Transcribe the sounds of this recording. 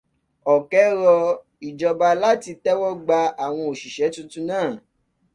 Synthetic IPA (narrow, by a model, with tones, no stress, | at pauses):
ɔ˨kɛ˨˦ɾɔ˧ | i˨d͡ʒɔ˨ba˧la˦ti˧tɛ˦wɔ˦ɡ͡ba˧a˨w̃ɔ̃˧o˨ʃi˨ʃɛ˨˦tũ˦tũ˧˦nãː˦˨